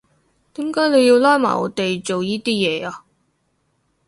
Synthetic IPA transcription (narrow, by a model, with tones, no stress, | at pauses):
t̪iː˨˥mkaː˨˥jne˨˧ji˧wlaː˥jma̰ː˨˩ɔ̰ː˨˧t̪e˨jt͡ʃo˨wjiː˥t̪iː˥jɛː˨˧aː˧